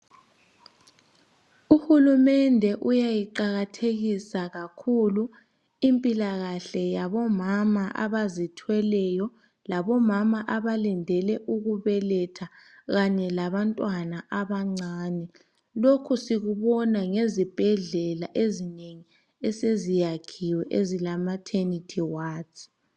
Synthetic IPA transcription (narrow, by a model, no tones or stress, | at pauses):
uhulumɛndʱɛʔujajiǃaɣatʰeɣisaɣakʰulu | impʼilaɣaɬɛjaβɔmamaʔa̰βazitʰwɛlɛjɔ | laβɔmamaʔaβalɛndʱɛlɛʔuɣuβɛlɛtʰaɣaɲɛlaβantʼwanaʔaβaŋ͡ǀaːnɛ | lokʰusiɣuβɔnaŋezib̥ʱɛɮɛlaʔezineŋi | ɛsezijakʰiwɛʔezilamatʰenitʰiwaː